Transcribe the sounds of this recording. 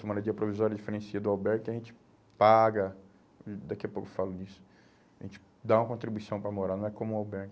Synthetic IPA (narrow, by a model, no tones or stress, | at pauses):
semɐ̃nɐd͡ʒiɐpɾovizɔɾjɐd͡ʒifeɾẽsiɐd̪ʊawbɛɾɡkɪɐʒẽt͡ʃɪ̥ | paɡɐ | d̪akiɐpowkʊfalʊnisʊ̥ | ʒẽt͡ʃɪ̥ | d̪aũɐkõt̪ɾibuisɐ̃w̃pɾɐmoɾaɾnɐ̃w̃ɛkõmʊ̃awbɛɾɡ